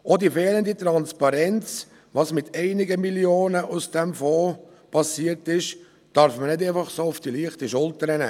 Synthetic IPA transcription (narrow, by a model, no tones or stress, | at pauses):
odifɛːləndit̪ɾɑnspɑɾɛnt͡s | ʋɑːsmɪtʰɛɪnɪɡəmiljoːnəʔusd̥ɛmfɔː | pɑsiəɾtɪʃ | d̥ɑɾfmənɪdɛɪfɑχsoːʊfd̥iliəχtəʃʊltəɾənɛ̰ː